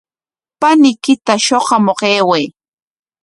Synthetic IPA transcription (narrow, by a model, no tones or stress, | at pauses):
panɪkɪt̪aʃoqɑmoqeːwej